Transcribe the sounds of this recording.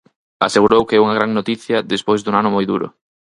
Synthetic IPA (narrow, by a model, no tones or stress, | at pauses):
a̰seɣuɾowkɪɛuŋɐɣ̞ɾaŋnot̪iθjɐðespojzðuŋanʊmojðṵɾʊ̰